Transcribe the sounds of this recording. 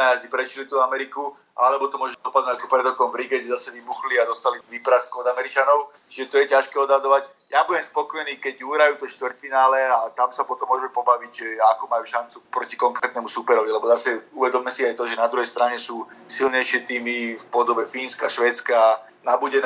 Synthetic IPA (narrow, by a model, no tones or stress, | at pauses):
ajazd̪ipɾɛt͡ʃilit̪uːamɛɾiku | aalɛbɔt̪ɔmʊɔʒɛd̪ɔpad̪nɔakɔpɾɛd̪ɾɔkɔmvɾiɡɛɟɛzasɛʋibuxliad̪ɔst̪aliʋipɾaskuɔd̪amɛɾit͡ʃanɔʊ | t͡ʃiʒɛt̪ɔjɛcaʃkɛːɔd̪ɦad̪ɔʋaɟjabuɟɛmspɔkɔjniːkɛɟuɦɾajuːt̪ɔʃt̪ʋrt̪finaːlɛat̪amsapɔt̪ɔmːʊɔʒɛmɛpɔbaʋicakɔmajuːʃant͡supɾɔcikɔŋkɾɛːt̪nɛmusupɛɾɔʋilɛbɔzasɛuʋɛd̪ɔmiːmɛsiajt̪ɔʒɛnad̪ɾuɦɛjst̪ɾaɲɛsuː | silɲɛjʃɪɛt̪iːmifpɔd̪ɔbɛfiːnskaʃʋɛːt̪t͡ska | nabuɟɛn